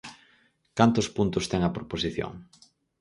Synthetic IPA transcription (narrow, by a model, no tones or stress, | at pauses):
kant̪ʊspunt̪ʊst̪ɛŋɐpɾoposiθjo̰ŋ